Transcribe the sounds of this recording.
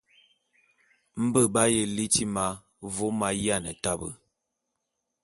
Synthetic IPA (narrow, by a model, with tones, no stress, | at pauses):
m̩˦bə˦ba˦je˨li˦ti˦ma˦ | vo˦ma˦jja˦˨nə˨ta˦bə̰˨